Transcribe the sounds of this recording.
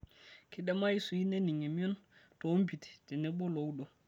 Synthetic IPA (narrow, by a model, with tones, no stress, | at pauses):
kʰi˨ɗɛ˦ma˦i˦su˨i˦ne˦ni˨ŋe˨mi˦ɔ˦nto˨˦mpi˨ti̥˨ti˨nɛ˦bɔ˦lo˨wɗo˨